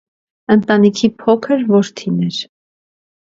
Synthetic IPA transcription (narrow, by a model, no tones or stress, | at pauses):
ənt̪ɑnikʰipʰɔkʰəɾvɔɾt̪ʰinɛɾ